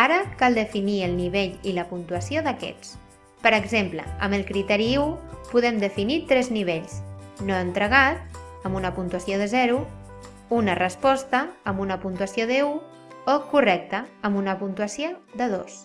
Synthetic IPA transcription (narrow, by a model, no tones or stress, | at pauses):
aɾəkalˠd̪əfiniəlˠniβ̞eʎiləpunt̪uəsioðəkɛ̰t͡s | pəɾəɡzemplə̰ə̰məlˠkɾit̪ɛɾiupuðɛmd̪əfinit̪ɾɛzniβ̞eʎsnoənt̪ɾəɣ̞at̪̚əmbunəpunt̪uəsioð̞əzɛɾu | unərəspɔst̪əːmbunəpunt̪uəsioðəu | okurɛk̚t̪əːmbunəpunt̪uəsiod̪əðo̰s